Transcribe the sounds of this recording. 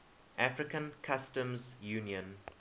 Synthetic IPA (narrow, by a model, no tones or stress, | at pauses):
ʔafɹɪkə̃nkʰastə̃mzjuːniə̃n